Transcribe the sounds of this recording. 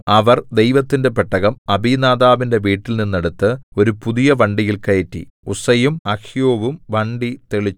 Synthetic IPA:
ɐʋɐrd̪e̞jʋɐt̪ːinde̞peʈːɐɣɐmɐbiːnaːd̪aːʋinde̞ʋiːʈːilninːeɽut̪ːɨo̞ɾupuðijɐʋɐɳɖijilkɐjetːḭ | usɐjumɐkʰjoːʋumʋɐɳɖit̪eɭi

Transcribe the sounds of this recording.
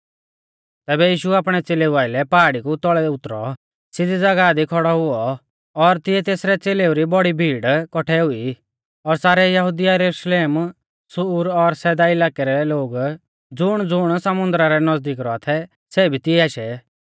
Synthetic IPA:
t̪ɛːbɛjiːʃuaːpɽ̃ɛt͡seːleuʋaːɪlɛpaːɽikut̪ɔɭɛʊt̪ɾɔ̰ | sɪdid͡zɐɡad̪ikʰɔɽɔɦʊɔ | ɔɾt̪ɪɛt̪eːsɾɛt͡seːleuɾibɔɽibʱiːɽkɔʈʰɛɦʊi | ɔɾsaːɾɛjɐɦʊd̪ijajɾɛɾuʃleːm | sʊɾɔɾsɛːd̪aɪlaːkɛɾɛloːɡ | d͡zʊɽ̃d͡zʊɽ̃sɐmʊ̃nd̪ɾaɾɛnɐd͡zd̪iːkɾɔat̪ʰɛ | sɛːbʱit̪ɪɛaːʃɛ

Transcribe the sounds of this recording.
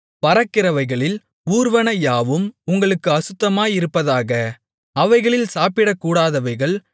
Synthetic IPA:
pɐɾɐkːɪɾɐʋɐɪɣɐɭɪl | uːɾʋɐnɐjaːʋɯmʊŋɡɐɭɯkːɯɐsɯt̪ːɐmaːjɪɾɯpːɐðaːɣɐ | ɐʋɐɪɣɐɭɪlsaːpɪɽɐkːuːɽaːðɐʋɐɪɣɐɭ

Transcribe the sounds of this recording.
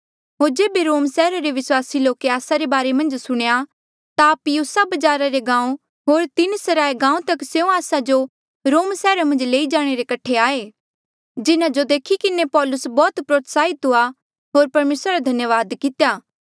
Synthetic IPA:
ɦoːɾd͡ʒeːbeɾoːmsɛːɾaɾeʋɪswaːsiloːkeaːsaɾebaːɾemɐ̃nd͡ʒsʊɽ̃ja | t̪apijusabɐd͡ʒaːɾaɾeɡãːũ | ɦoːɾt̪ɪnsɐɾaːeɡãːũt̪ɐkseũaːsad͡ʒo | ɾoːmsɛːɾamɐ̃nd͡ʒleːid͡ʒaːɽ̃eɾekɐʈʰːeaːe | d͡ʒɪnãd͡ʒod̪eːkʰikɪnepɔːlʊsbɔːt̪pɾoːt̪saːit̪ɦʊa | ɦoːɾpɐɾmeːsɾaɾad̪ʱɐnjəʋaːd̪kɪt̪jaː

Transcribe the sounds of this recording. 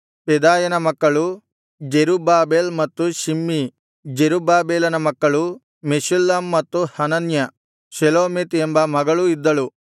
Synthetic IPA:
pɛd̪aːjɐnɐmɐkːɐɭu | d͡ʒeɾubaːbeːlmɐt̪ːuʃimːi | d͡ʒeɾubaːbeːlɐnɐmɐkːɐɭu | meʃulːaːmːɐt̪ːuhɐnɐnjɐ | ʃɐloːmet̪embɐmɐɡɐɭuid̪ːɐɭu

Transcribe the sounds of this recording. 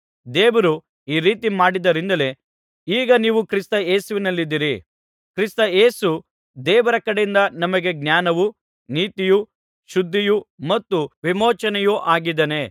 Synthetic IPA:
d̪eːʋɐɾu | iːɾiːt̪imaːɽid̪ɐɾind̪ɐle | iːɡɐniːʋukɾist̪ɐe̞ːsuʋinɐlːid̪ːiɾi | kɾist̪ɐeːsu | d̪ɛːʋɐɾɐkɐɽejind̪ɐnɐmɐɡe̞ɡ̚njaːnɐʋu | niːt̪iju | ʃud̪ʱːijumɐt̪ːuʋimoːt͡ʃɐnɛjuʔaːɡid̪ɐne

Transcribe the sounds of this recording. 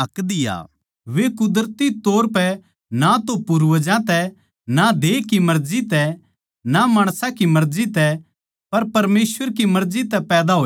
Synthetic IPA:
ɐkd̪ɪja̰ː | ʋekʊd̪əɾət̪it̪oːɾpɛ | nat̪opʊɾʋəd͡ʒãt̪ɛ | nad̪eːkimɐɾd͡ʒit̪ɛ | namaːɽ̃sãkimɐɾd͡ʒit̪ɛ | pɐɾpɐɾmeːsʋəɾkimɐɾd͡ʒit̪ɛpɛːd̪aɦoː

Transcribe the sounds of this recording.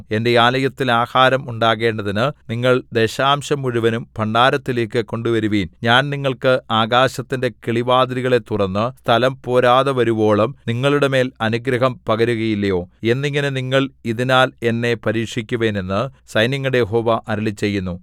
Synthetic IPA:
e̞nde̞aːlɐjɐt̪ːilaːhaːɾɐmuɳɖaːɣe̞ːɳɖɐðinɨniŋːɐɭd̪e̞ɕaːmɕɐmuɻuʋɐnumpʰɐɳɖaːɾɐt̪ːileːkːɨko̞ɳɖuʋɐɾuʋiːnɲaːnniŋːɐɭkɨaːɡaːɕɐt̪ːinde̞kiɭiʋaːd̪ɾiɣɐɭe̞t̪ːurɐnːɨst̪ʰɐlɐmpo̞ːɾaːðɐʋɐɾubo̞ːɭɐmniŋːɐɭuɽeme̞ːlɐnuɡɾɐɦɐmpɐɣɐɾuɣɐjilːɐjo̞ːe̞nːiŋːɐneniŋːɐɭiðinaːle̞nːe̞pɐɾiːkʂikʲːuʋeːne̞nːɨsɐjnjɐŋːɐɽejeɦo̞ːʋɐʔɐɾɐɭit͡ɕːe̞jːunːu

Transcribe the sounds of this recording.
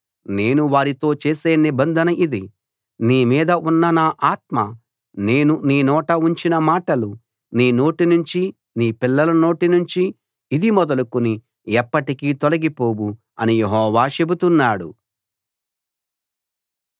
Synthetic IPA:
ne̞ːnuʋaːɾit̪o̞ːt͡ʃe̞ːse̞ːnibɐnd̪ʱɐnɐʔid̪i | niːmiːd̪ɐʔunːɐnaːʔaːt̪̚mɐ | ne̞ːnuniːnɔːʈɐuɲt͡ʃinɐmaːʈɐlu | niːno̞ːʈinuɲt͡ʃi | niːpilːɐlɐno̞ːʈinuɲt͡ʃiː | d̪imɔd̪ɐlukuni | ɛpːɐʈikiːt̪olɐɡipo̞ːbu | ɐnijeɦɔːʋaːt͡ʃe̞but̪unːaːɽṵ

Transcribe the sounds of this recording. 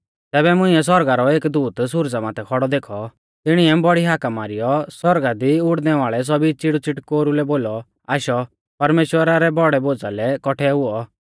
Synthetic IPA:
t̪ɛːbɛmʊ̃ɪ̃ɛs̬ɔɾɡaɾɔeːkd̪uːt̪sʊɾd͡zamaːt̪ʰɛkʰɔɽɔd̪eːkʰɔ | t̪ɪɽ̃iɛbɔɽiɦaːkamaːɾijɔsɔɾɡad̪iʊɽnɛʋaːɭɛs̬ɔbit͡ʃɪɽut͡sɪʈkoːɾulɛboːlɔ | aːʃɔ | pɐɾmeːʃwəɾaɾɛbɔɽɛboːd͡zalɛkɔʈʰɛɦʊɔ

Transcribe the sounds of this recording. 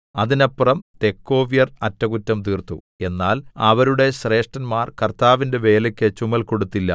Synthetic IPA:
ɐðinɐpːrɐmt̪e̞kːo̞ːʋijɐrɐtːɐɣutːɐmt̪iːrt̪ṵ | e̞nːaːlɐʋɐɾuɽe̞ɕre̞ːʂʈɐnmaːrkɐrt̪aːʋinde̞ʋe̞ːlɐkʲːet͡ɕumɐlko̞ɽut̪ːilːɐ̰

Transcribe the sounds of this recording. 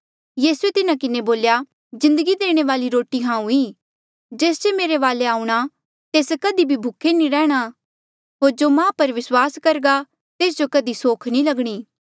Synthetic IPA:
jiːsuet̪ɪnakɪneboːlja | zɪ̃nd̪əɡid̪eːɽ̃eʋaːliɾoːʈiɦãːũũiː | d͡ʒeːsd͡ʒemeːɾeʋaːleaːũɽ̃a | t̪eːskɐd̪ibʱibʱʊkʰːenĩɾɛ̃ːɽ̃a | ɦoːɾd͡ʒoːmãːpɐɾʋɪswaːskɐɾɡa | t̪eːs̬d͡ʒokɐd̪isoːkʰnĩlɐɡɽ̃iː

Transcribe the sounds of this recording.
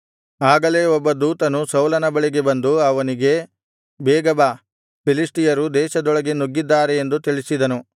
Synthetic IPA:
aːɡɐle̞ːɔbːɐd̪uːt̪ɐnusɐwlɐnɐbɐɭiɡe̞bɐnd̪uɐʋɐniɡe̞ | bɛːɡɐba | pilisʈijɐɾud̪ɛːʃɐd̪ɔɭɐɡe̞nuɡːid̪ːaːɾe̞ːnd̪ut̪iɭisid̪ɐnu

